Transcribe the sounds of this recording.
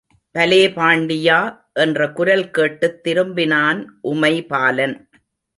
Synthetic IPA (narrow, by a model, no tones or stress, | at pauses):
pɐleːpaːɳɖɪjaː | ʔɛndrɐkʊɾɐlkeːʈːɯt̪ːɪɾɯmbɪnaːnʔʊmɐɪpaːlɐn